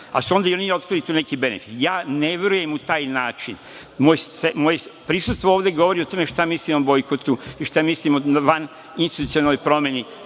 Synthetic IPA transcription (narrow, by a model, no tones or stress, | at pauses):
a̰suo̞nd̪aionio̞t̪̚kɾilit̪uːnekibe̞nḛfi̥t̪jaːneʋjeɾuje̞mut̪aːjnaːt͡ʃin | moːjsemojepɾisust̪ʋooːʋd̪eɡo̞ʋoɾio̞t̪oːme̞ʃt̪amislimobo̞jkot̪uiʃt̪amislimoʋan | inst̪it̪ut̪sionanojpɾo̞mjeni